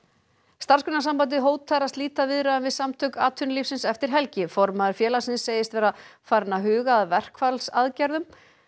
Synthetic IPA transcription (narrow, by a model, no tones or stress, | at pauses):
st̪arskʏnasampant̪̬ɪɦoːwt̪ʰːajɾast̪liːt̪avɪðɾaʏnvɪðsamt̪ʰœkaːt̪ʰʏnlifsɪnsɛft̪ɪɾ̥ɦɛlcɪfɔɾmaðʏɾfjɛːlasɪnsːeːjɪst̪vɛːɾafaːɾɪnaɦʏːɣaːðvɛr̥kfalsaðcaɾðʏm